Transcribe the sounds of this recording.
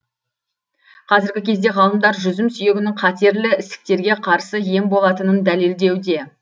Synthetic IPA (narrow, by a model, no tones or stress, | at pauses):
qʰɑzɪɾɡʲɪkʲʰe̞zd̪e̞ʁɑlˠəmd̪ɑɾʒʏzɪmsʏje̞ɡʲɪnɪŋqʰɑt̪e̞ɾlɪɪst̪ɪ̥k̚t̪e̞ɾɡʲe̞qʰɑɾsəje̞mbo̞lˠɑt̪ənənd̪æle̞ld̪e̞wd̪e̞